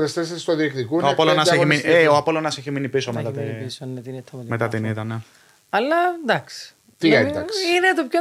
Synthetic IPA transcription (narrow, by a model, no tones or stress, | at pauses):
est̪es̬est̪oðiekt̪ikuoapolonɐseçimineoapolonɐseçiminipisomet̪ɐt̪isonet̪init̪ʰːɐmet̪ɐt̪init̪ɐne | ɐlːɐd̪ɐksi̥ | t̪iɐsinet̪opço